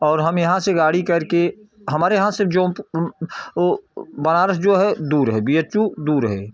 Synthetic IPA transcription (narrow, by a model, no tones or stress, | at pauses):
ɔːɾɦɐmjɐɦãseɡaːɽikɐɾke | ɦɐmaːɾejəɦãsɪfd͡ʒõːp | bənaːɾəsd͡ʒoːɦɛd̪uːɾɦɛbijət͡ʃud̪uːɾɦɛː